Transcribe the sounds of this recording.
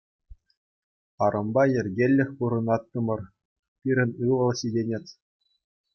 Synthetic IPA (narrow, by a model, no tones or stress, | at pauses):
ɑɾʔɤ̆mbɑjɘ̆rʲɡʲelʲːɘ̆xʲpuɾɤ̆nɑt̪ːɤ̆mɤ̆r | pʲiɾʲɘ̆nʲɯlˠɤ̆lˠɕʲidʲenʲetʲ